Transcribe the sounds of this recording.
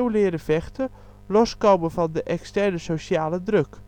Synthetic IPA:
wlɪːɾəvɛxtə | lɔskowmənvɑndəʔɛkstɛɹnəsowɕaːlədrɵk

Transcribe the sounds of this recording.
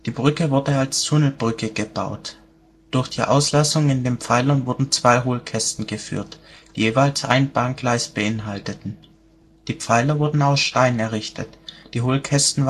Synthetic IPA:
d̥iːbʁʏkəvʊɐdəalstʰʊnl̩bʁʏkəɡəba̰ʊt | d̥ʊɐçd̥ḭːʔa̰ʊslasʊŋɪndeːnpp͡faɪlɐnvʊɐdn̩t͡sv̥aɪɦoːlkʰɛstn̩ɡəfy̰ːɐtd̥iːjeːvaɪlsʔa̰ɪnb̥aːnɡ̥laɪsb̥əʔɪnɦaltətn̩ | d̥iːp͡faɪlɐvʊɐdn̩aʊsʃtaɪnɛɐʁɪçtʰətd̥iːɦoːlkʰɛstn̩

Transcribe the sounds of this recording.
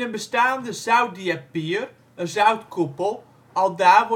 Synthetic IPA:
ənbəstaːndəzœwt̚diapiər | əzœwtkʰupəlˠ | ɑlˠdaːʋ

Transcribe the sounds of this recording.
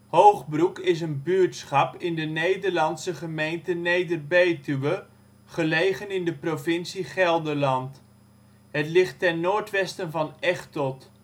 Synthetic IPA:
howχbrukɪs̬ənbyɹtsχɑpɪndənejdəɹlɑnsəχəmejntənejdərbejtyʋə | χəlejχənɪndəprovɪnsiχɛlˠdəɹlɑnt | ɦətlɪχtːɛnnːoːɹtʋɛstənvɑnɛχtɔt

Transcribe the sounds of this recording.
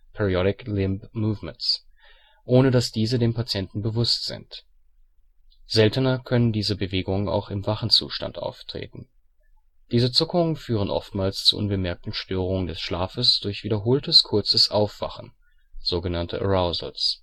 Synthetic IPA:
pʰɛʁiɔɾɪklɪmpmuːvmɛnts | ʔoːnədasd̥iːzədeːmpat͡sjɛntn̩bəvʊstz̥ɪ̰nt | z̥ɛltənɐkʰœnəndiːzəbəveːɡʊŋəna̰ʊxɪmvaχn̩t͡sṵːʃta̰ntʔa̰ʊftʁ̥ḛːtn̩ | d̥iːzət͡sʊkʊŋənfyːʁ̞ənʔɔ̰ftmaːlst͡sṵːʔʊ̰nbəmɛɐk̚tn̩ʃtøːʁ̞ʊŋəndɛsʃlaːfəsd̥ʊɐçv̥iːdɐɦoːltəskʰʊɐt͡səsʔaʊfv̥a̰χn̩ | z̥oːɡənantʰə̰ʁaʊzl̩s

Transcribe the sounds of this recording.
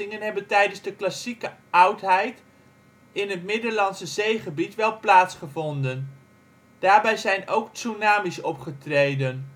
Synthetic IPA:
ɪŋənɦɛbəntɛjdənzdəklasikəʔʌwtɦɛjt | ɪnɦətmɪdəɹlɑnsəzejχəbitʋɛlˠplaːtsχəvɔndən | d̥aːɹbɛjzɛjnowktsunaːmisɔpχətrejdən

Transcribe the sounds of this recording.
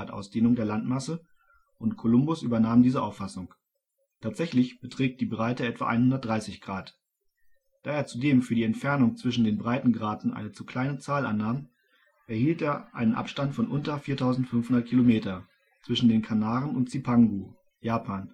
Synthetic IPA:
tʔa̰ʊsd̥eːnʊŋdeːɐlantmasə | ʔʊntkʰolʊmbʊsʔyːbɐnaːmndiːzəʔaʊfasʊŋ | tʰaːtz̥ɛçlɪçb̥ətʁ̥ɛːk̚t̚d̥iːbʁaɪtəɛtv̥a̰ʔa̰ɪnhʊndɐt̚d̥ʁaɪsɪçɡ̥ʁaːt | d̥aːeːɐt͡sudeːmfyːɐdiːɛntfɛɐnʊŋt͡sv̥ɪʃn̩deːnbʁaɪtn̩ɡʁaːtn̩ʔa̰ɪnət͡sukʰl̥aɪnət͡saːlʔa̰nːaːm | ʔɛɐhiːlteːɐʔa̰ɪnənʔa̰pʃtantfɔnʔʊntɐfiːɐtʰaʊzn̩tfʏnfhʊndɐt̚kʰilomeːtɐ | t͡sv̥ɪʃn̩deːnkʰanaːʁənʊntt͡sipʰaŋɡu | jaːpʰaːn

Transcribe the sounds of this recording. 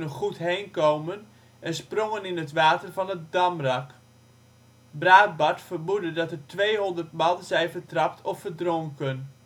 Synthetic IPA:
nəχutɦejnkowmən | ɛnsprɔŋənɪnətʋaːtərvɑnətdɑmrɑk | braːt̚bɑɹtfərbudədɑtərtʋejɦɔndərtmɑnˠəzɛjvərtrɑptʰɔfːərdrɔŋkən

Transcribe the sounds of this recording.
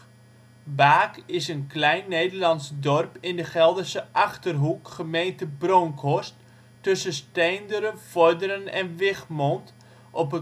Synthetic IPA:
baːkɪsənklɛjnːejdərlɑnsdɔrpɪndəχɛlˠdəsəʔɑχtərɦukχəmejntəbroŋkʰɔstː | ɵsəstejndəɾənfɔrdəɾənɛ̰nʋɪχmɔnt | ʔɔpə

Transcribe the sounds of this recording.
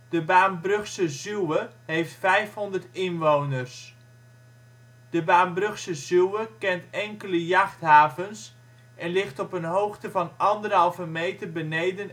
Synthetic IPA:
d̥əbaːnbrɵχsəzywəɦejftfɛjfɦɔndərtɪnʋownərs | d̥əbaːnbrɵχsəzuwəkɛntɛŋkələjaχtɦaːvəns | ʔɛnlɪχtɔpənɦowχtəvɑnɑndərɦɑlˠvəmejtərbənejdən

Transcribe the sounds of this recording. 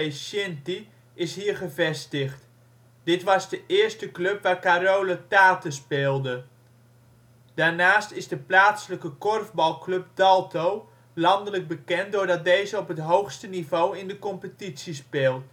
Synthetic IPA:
esɛnti | ɪsɦiːrχəvɛstəxt | d̥ɪtʋɑzdəʔɪərstəkløpʋaːrkaɾoːlətaːtəspɪːlˠdə | d̥aːɹnaːstɪzdəplaːtsələkəkɔrvbɑlˠkløp̚dɑlˠtow | lɑndələɡ̚bəkɛntdoːrdɑt̚dejzəɔpɦətɦowxstənivowɪndəkɔmpətitsispɪːlˠt

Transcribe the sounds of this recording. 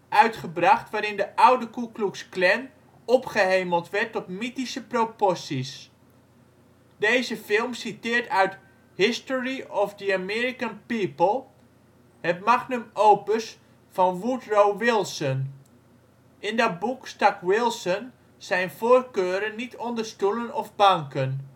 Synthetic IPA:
ʔœɥtχəbrɑχtʋaːɾɪndəʔʌwdəkukluksklɛn | ɔpχəɦejməlˠtʋɛɹtɔtmitisəpropɔɹsis | dejzəfɪlˠmsitɪːɹtœɥt | hɪstɔɹiɔfdəamɪːɹikənpipəlˠ | hətmaχnəmowpəs | fɑnʋutrowʋɪlˠsən | ʔɪndɑt̚bukstɑkwɪlˠsən | z̥ɛjnv̥oːrkøːɾənːitʰɔndəɹstulənɔvbɑŋkən

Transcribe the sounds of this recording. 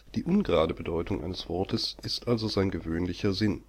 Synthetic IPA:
d̥iːʔʊnɡʁaːdəbədɔʏtʰʊŋʔa̰ɪnəsv̥ɔɐtʰəsʔɪstʔalzozaɪnɡəvøːnlɪçɐzɪn

